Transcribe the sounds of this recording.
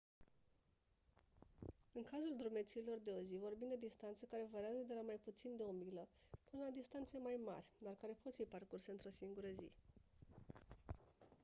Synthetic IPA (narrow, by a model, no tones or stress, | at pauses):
ɨŋkazuld̪ɾume̞t̪siːlo̞rd̪e̞o̞zivo̞rbind̪e̞d̪ist̪ant̪səkaɾe̞vaɾeazəd̪e̞lamajput̪sind̪e̞o̞milə | pɨnəlad̪ist̪ant̪se̞majma̰rʲd̪arkaɾe̞po̞t̪fiparkurseɨnt̪ɾo̞siŋɡuɾəzḭ